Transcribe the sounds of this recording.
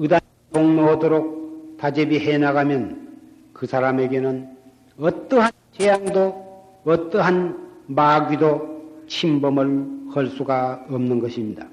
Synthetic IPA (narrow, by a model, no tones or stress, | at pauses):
ɯdanipoŋnoʌdoɾok̚t̪ad͡ʑebiɦenaɡamjʌn | kɯsʰaɾame̞ɡe̞nɯn | ʌt͈ʌɦant͡ɕejaŋdo | ʌt̪͈ʌɦanmaɡidot͡ɕʰimbʌmɯɭhʌɭs͈uɡaʌmnɯnɡʌɕʰimɲida